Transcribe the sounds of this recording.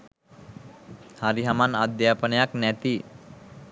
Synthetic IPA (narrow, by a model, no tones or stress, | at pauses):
haɾiɦamanad̪jaːpənəjaknæt̪i